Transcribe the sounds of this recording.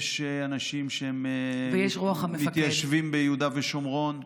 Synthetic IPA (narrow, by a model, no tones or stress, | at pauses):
ʃeanaʃimʃeemvejeʃʁuaχamefmit̪jaʃvimbejud̪aveʃomʁo̞n